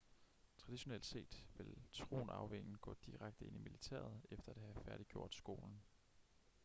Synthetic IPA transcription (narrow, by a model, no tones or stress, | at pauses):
t͡sʰʁɑ̈d̥iɕo̝nḛld̥se̝̰ːd̥ʋe̝lt͡sʰʁo̝̰ːnɑ̈ʊʋeŋn̩ɡ̥ɔ̰̽ːd̥iʁaɡ̥̚d̥əe̝nʔimilit͡sʰæ̰ːɐð̞̩ˠefd̥ɐædɦæfæɐɾ̥iɡ̥jo̝ɐ̰d̥sɡ̥o̝̰ːln̩